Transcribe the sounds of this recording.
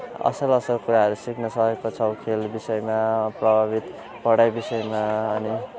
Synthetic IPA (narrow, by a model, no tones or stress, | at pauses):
ʌ̰sʌɾʌsʌɾkuɾaɦʌɾusikʰnʌsʌɦekot͡sʰʌkʰelbisʌjmaprʌbʱaβit̪ | pʌɽajbisʌjmaʌni